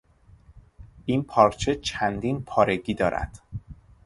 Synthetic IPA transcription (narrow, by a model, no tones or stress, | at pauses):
ʔinpʰɒːɾt͡ʃʰe̞t͡ʃʰænd̪iːnpʰɒːɾe̞ɟiːd̪ɒːɾæ̰d̪̥